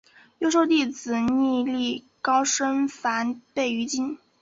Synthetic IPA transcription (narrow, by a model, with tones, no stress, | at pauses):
jo˥ʊʂ̬o˥˧ʊt̪i˥˩t͡sɹ̩˨˩ni˥˧li˥˩ | kɑ˥ʊʂə˥nfa˧˥npe˥˩ɪy˧˥t͡ɕi˥n